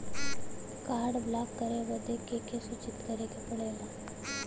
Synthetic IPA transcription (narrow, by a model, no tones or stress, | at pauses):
kaːɽblaːkːəɾeʋɐd̪ekekesʊt͡ʃɪt̪kɐɾekepɐɽeːlaː